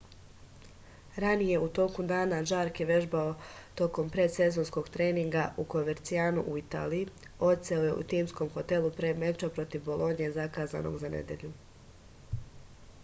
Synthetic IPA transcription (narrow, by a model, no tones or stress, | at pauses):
ɾanije̞ut̪o̞ːkud̪aːnaʒaːɾkjeʋe̞ʒbao̞t̪o̞ko̞mpɾe̞se̞zo̞nsko̞ɡt̪ɾe̞ːniŋɡauko̞meɾt̪siaːnuʔuit̪a̰ːlii | o̞t̪seoje̞ṵt̪iːmsko̞mxot̪e̞lˠupɾeme̞t͡ʃapɾo̞t̪iʋbo̞lˠo̞nije̞zakaːza̰nʔo̞̰ɡzanḛd̪je̞̰ʎu